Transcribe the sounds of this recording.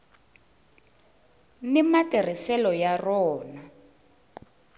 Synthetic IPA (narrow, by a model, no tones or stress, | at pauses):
nimatir̤isɛlɔjarɔːna